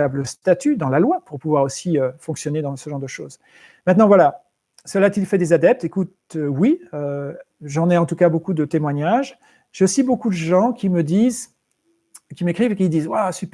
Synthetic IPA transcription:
abləst̪at̪yd̪ɑ̃lalwapuʁpuvwaʁosiøfɔ̃ksjɔned̪ɑ̃səʒɑ̃ʁd̪əʃo̰ːz | mɛ̃t̪nɑ̃vwala | səlat̪ilfɛd̪ezad̪ɛp̚t̪ekut̪øwiø | ʒɑ̃nɛɑ̃t̪ukabokud̪ət̪emwaɲaʒ | ʒ̥eosibokud̪əʒɑ̃kʲiməd̪iz | kʲimekχivekʲid̪izwasyp

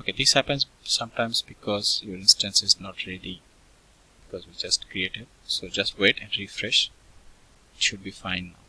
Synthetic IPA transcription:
oked̪ɪshæpə̃ns | sʌ̃mʈãɪ̃msbɪkɔːzjoːɾɪ̃nsʈə̃nsɪznɔʈɾeli | b̥ɪkɔzʋid͡ʒʌsʈkɾieːʈeɖ̚soːd͡ʒʌsʈweːʈɛ̃nɖɾifɾɛʃ | ɪʃʊɖ̚bifãɪ̃nːa̰ʊ

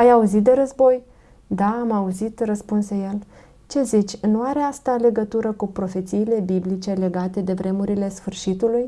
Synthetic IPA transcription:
ajauzit̪̚d̪e̞ɾəzbo̞j | d̪aːmauzit̪rəspunseje̞l | t͡ʃe̞zit͡ʃʲnuaɾeast̪ale̞ɡət̪uɾəkupɾo̞fe̞t̪siːle̞biblit͡ʃe̞le̞ɡat̪e̞d̪e̞vɾe̞muɾile̞sfɨrʃit̪uluj

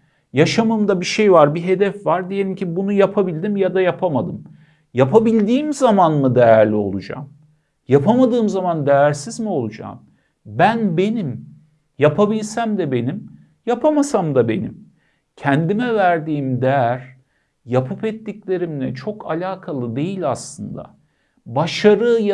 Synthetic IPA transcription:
jaʃamɯmd̪abiʃe̞jvaɾbiɦe̞d̪ɛfvaɾd̪ije̞lʲimcibunujapʰabilʲd̪imjad̪ajapʰamad̪ɯm | japʰabilʲd̪iːmzamanmɯd̪ejæɾlʲio̞̰lˠud͡ʒa̰m | japʰamad̪ɯːmzamand̪ejæɾsizmio̞lˠud͡ʒa̰ːm | bænbe̞nim | japʰabilʲsæmd̪ɛbe̞nim | japʰamasamd̪abe̞nḭm | cʰænd̪imɛvæɾd̪iːmd̪ɛɾ | japʰɯpɛt̪ːiclʲe̞ɾimlʲɛt͡ʃʰo̞kʰalʲaːkʰalˠɯd̪e̞jilʲaslˠɯnd̪a̰ | baʃaɾɯj

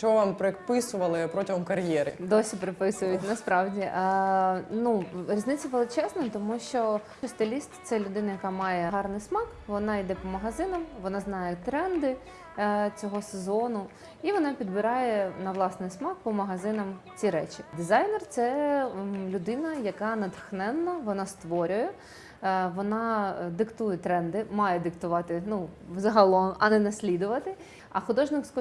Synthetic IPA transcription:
t͡ʃɔɔʋampɾɪpɪsʊʋɐlˠɪpɾɔtʲɪɦɔmkɐɾjɛɾɪ̰d̪ɔsʲipɾɪpɪsʊjʊtʲnɐspɾɑwdʲiʔ | nuɾʲiznɪt͡sʲːɐʋelˠɪt͡ʃɛznɐt̪ɔmuʃt͡ʃɔ | ɔst̪elʲisʲt̪ʲt̪sɛlʲʊd̪ɪnɐjɐkɑmɑjɛɦɑrnɪjsmɑkʋɔnɑid̪ɛpɔmɐɦɐzɪnɐmʋɔnɑznɑjɛt̪ɾɛnd̪ɪ | t͡sʲɔɦɔsezɔnʊ | iʋɔnɑpʲid̪bɪɾɑjɛnɐʋlˠɑsnɪjsmɑk̚pɔmɐɦɐzɪnɐmt͡sʲiɾɛt͡ʃʲid̪ɪzɑjnɛrt̪sɛ | lʲʊd̪ɪnɐjɐkɑnɐd̪xnɛnːɐʋɔnɑst̪ʋɔɾʲʊjɛ | ʋɔnɑd̪ɪkt̪ujɛt̪ɾɛnd̪ɪmɑjɛd̪ɪkt̪ʊʋɑt̪ɪnuʋzɐɦɐlˠɔmɐnɛnɐsʲlʲid̪ʊʋɐt̪ɪ | ɐxʊd̪ɔʒnɪkskɔ

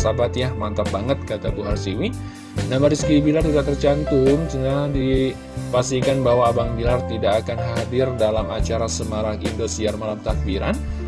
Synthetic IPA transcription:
sabat̪jahmant̪abaŋət̪̚kat̪abuɦarsiwi | namaɾiskibilart̪udat̪ərt͡ʃant̪unsənadi | pasikanbawaːbaŋbilart̪idakakanɦadɪrdalama̰t͡ʃaɾasəmaɾahindosiarmalamt̪ak̚biɾa̰n

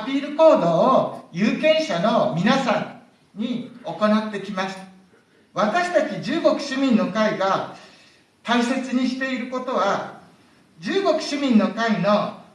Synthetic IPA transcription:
apʲiːɾɯ̟ko̞ːd̪o̞ːjɯːkẽ̞ɰ̃ɕano̞mʲinasãɲ | ɲio̞ko̞nat̪ːe̞kʲimaɕi̥t̪ḁ | βat̪aɕi̥t̪at͡ɕid͡ʑɨːɡo̞kɯ̟̥ɕimʲĩnːo̞kaiɡa | t̪aise̞t͡sɨɲ̟iɕi̥t̪e̞iɾɯ̟ko̞t̪o̞β̞a | d͡ʑɨːɡo̞kɯ̟̥ɕimʲĩnːo̞kaino̞

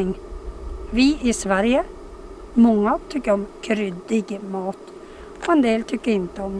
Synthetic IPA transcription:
ɪŋ | vɪɪsvæɾjə | mɔŋːat̪ʰʏkːəɾɔmkʰɾʏd̪ːɪɡmɑːt̪ | ɛnd̪eːlt̪ʰʏkːəɾɪnt̪əɔm

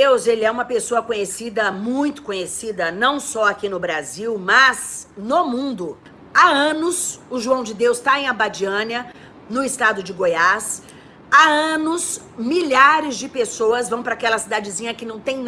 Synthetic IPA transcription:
ewzelɪɛũmɐpesoɐkõɲesid̪ɐmũj̃t̪ʊ̥kõɲesid̪ɐnɐ̃w̃sɔakinʊbɾaziwmɐznomũnd̪ʊ | aɐ̃nʊsʊʒuɐ̃w̃d͡ʒɪd̪ewst̪aẽj̃abad͡ʒiɐ̃niɐ | nʊɪst̪ad̪ʊd͡ʒɪɡojas | aɐ̃nʊs | miʎaɾɪzd͡ʒɪpesoɐzvɐ̃w̃pɾakɛlɐsid̪ad͡ʒɪzĩɲɐkɪnɐ̃w̃t̪ẽj̃n

